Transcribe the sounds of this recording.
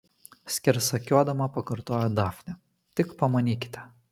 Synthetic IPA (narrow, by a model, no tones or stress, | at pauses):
sʲkʲɛɾsɐkʲuɔd̪ɐmɐpɐkɐɾt̪oːjɛd̪ɑːfʲnʲɛ | t̪ʲɪkpɐmɐnʲiːkʲɪ̥t̪ʲɛ